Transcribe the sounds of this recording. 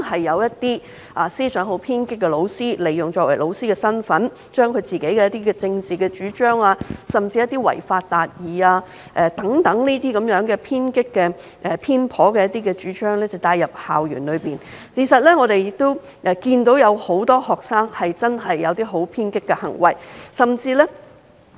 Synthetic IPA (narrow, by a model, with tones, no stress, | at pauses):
hɐ˨jːɐ˨˧wjɐ˥tt̪iː˥ | ʔaː˨siː˥sœː˨˥ŋɦo˨˥wpʰiː˥nkɪ˥k̚ːɛ˧lo˨˧wsiː˥le˨˩jːʊ˨˩ŋt͡ʃɔː˧kwɐ˨˩jlo˨˧wsiː˥kɛː˧sɐ˥nfɐ˨˥n | t͡ʃœː˥ŋkʰɵ˨˧ɥt͡siː˨ke˨˥jkɛː˧jɐ˥t̪iː˥kɛː˧t͡sɪ˧ŋt͡siː˨kɛ˧t͡ʃyː˨˥t͡ʃœː˥ŋaː˧sɐ˨˩mt͡siː˧jɐ˥t̚t̪i˥wɐ̰˨˩jfaː˧t̚t̪aː˨t̚jiː˨aː˧ | ʔɛ˨˧t̪ɐ˨˥ŋt̪ɐ˨˥ŋniː˥t̪iː˥kɐ˨˥mjœː˨˥ŋkɛː˧pʰiː˥nkɪ˥kːɛː˧ | ʔɛː˨˩pʰiː˥npʰɔː˨˥kɛː˧jɐ˥t̚t̪iː˥kɛː˧t͡ʃyː˨˥t͡ʃœː˥ŋlɛ˥t͡sɐ˨wt̪aː˧jɐ˨p̚haː˨wjy̰ː˨˩nlɵ˨˧ɥpiː˨˩n | kʰi˨˩sɐ˨t̚lɛː˥ŋɔː˨˧ɾe˨jɪ˨k̚t̪o˥w | ʔɛː˨˧kiː˧nt̪o˨˥wjɐ˨˧who˨˥wt̪ɔː˥hɔː˨k̚saː˥ŋhɐ˨jt͡sɐ˥nɦɐ˨jːɐ˨˧wt̪iː˥ɦo˨˥wpʰiː˥nkɪ˥kːɛ˧hɐ̰˨˩ŋwɐ̰˨˩jsɐ˨mt͡siː˧lɛ˥